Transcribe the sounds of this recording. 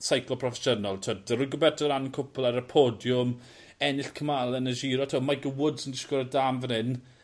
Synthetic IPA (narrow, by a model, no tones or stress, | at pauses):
sajkʰlˠɔpʰrɔfɛʃənalˠtʰədəɾɪɡɔbɛrtʰɔɾanənkʰʊpʰʊlˠaɾəpʰoːdjʊm | ɛnɪɬkʰəmalˠɛnəʒiːɾɔtʰomaɡəwʊdsəndɪʃkɾədamvənɪn